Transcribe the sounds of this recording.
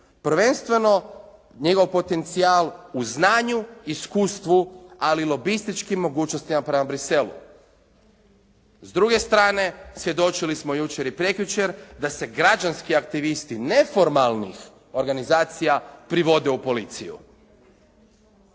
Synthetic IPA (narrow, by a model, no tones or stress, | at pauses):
pɾ̩ʋe̞nst̪ʋe̞no̞ | ɲeɡo̞ʋpo̞t̪e̞nt̪sialˠuznaːɲuiskuːst̪ʋualilo̞bist̪it͡ʃkimːo̞ɡuːt͡ʃnost̪imapɾe̞mabɾise̞lṵ | zd̪ɾuɡe̞st̪ɾaːne̞sʋje̞d̪o̞t͡ʃilismo̞jut͡ʃeɾipɾekjut͡ʃeɾd̪ase̞ɡɾad͡ʒanskiakt̪iʋist̪ine̞fo̞ɾmalˠnḭx | o̞ɾɡanizaːt̪sijapɾiʋo̞d̪eupo̞lit̪sijṵ